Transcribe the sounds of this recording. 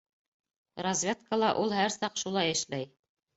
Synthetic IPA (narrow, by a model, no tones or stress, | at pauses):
rɐzʲvʲet̪kəlˠɑʔulˠhæɾsɑqʃulˠɑjɘ̆ʃlæj